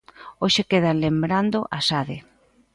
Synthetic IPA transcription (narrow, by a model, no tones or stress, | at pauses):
oʃekeðanlembɾand̪ʊʔasaðɪ